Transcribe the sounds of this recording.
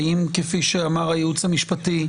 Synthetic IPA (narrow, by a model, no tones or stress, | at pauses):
imkefiʃeamaʁajeut͡samiʃpati